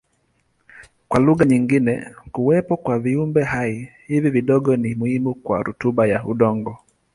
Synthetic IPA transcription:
kwaluɣaɲiŋɡinɛ̰kuwɛpɔkwaviumbɛhaihiviviɗɔɡɔnimuhimukwa̰ɾutuɓajauɗɔŋɡɔ

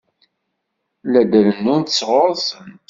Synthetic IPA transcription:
læd̪ælənːunt̪əsːʁoɾˤsən

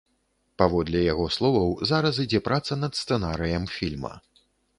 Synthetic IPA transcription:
pavɔd̪lʲɛjaɣɔslˠɔvɐwzaɾɐs̬id͡zʲɛpɾat̪sɐnɐt̪st̪ɛnaɾɨjɐmfʲilʲmɐ̰

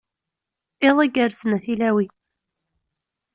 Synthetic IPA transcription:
ɪðˤæɡəɾsənæθilæwi

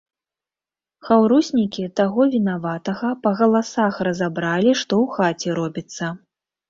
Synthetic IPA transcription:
xawɾusʲnʲikʲit̪aɣɔvʲinavat̪ɐɣɐpɐɣɐlˠasaxrɐzabɾalʲiʂt̪ɔwxat͡sʲɛɾɔbʲit̪sːɐ

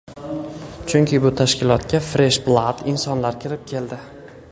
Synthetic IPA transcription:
t͡ʃʰʊŋkʲʰɪbʊt̪ʰaʃkʲɪlˠɒt̪kʲafɾe̞ʃblˠad̪̥ɪnsɒnlaɾkʲʰɪɾɪp̚kʲʰe̞ld̪ɪ

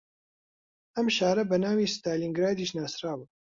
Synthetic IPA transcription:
ɐmʃaːɾɐbɐnaːwiːst̪aːliːŋɡɾaːd̪iːʃnaːsɾaːbɨ

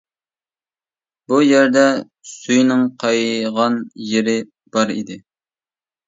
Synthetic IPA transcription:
bujæɾd̪ɛ | syjnɪŋqʰɑjʁɑnjeɾɪ | b̥ɑɾḭd̪ɪ

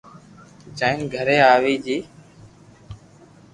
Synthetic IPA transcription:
d͡ʒãːɪnɡʱəɾeːaːʋiːd͡ʒiː

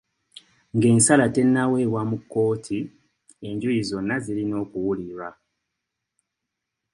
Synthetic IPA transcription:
ŋɡe̞ːnsalate̞nːawe̞ːwamukːo̞ːtʰi | e̞ɲɟujizo̞nːazilino̞ːkuwuliɾwa

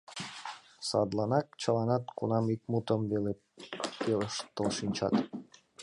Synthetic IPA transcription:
sɑd̪lɑnɑkt͡ɕəlɑnɑt̪kunɑmik̚mut̪əmvele | peləʃt̪ːəlʃinʲt͡ɕɑ̰t̪

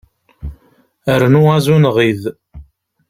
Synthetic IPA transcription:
əɾnuæzunʁið

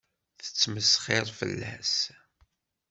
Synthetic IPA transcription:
θə̥t͡sːməsχɪɾˤfə̰lːæ̰s

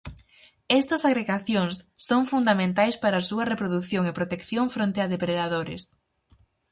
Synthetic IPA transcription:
ɛst̪ɐsaɣɾeɣaθjoŋsːoŋfund̪amẽnt̪ajspaɾɐːsuɐrepɾoðuθjoŋɪpɾot̪ekθjoŋfɾõnt̪eaðepɾeðaðoɾɪ̰s

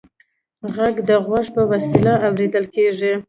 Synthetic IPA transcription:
ɣaɡd̪əɣwaʂpəwasilaawɾed̪əlkeʐi

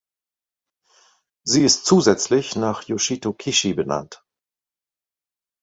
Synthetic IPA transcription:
ziːɪstt͡suːzɛt͡slɪçnaːχjoʃitokʰɪʃibəna̰nt

